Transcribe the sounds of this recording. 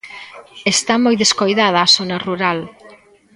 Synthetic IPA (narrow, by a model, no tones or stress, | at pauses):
est̪amojðeskojðaðɐːsonɐruɾal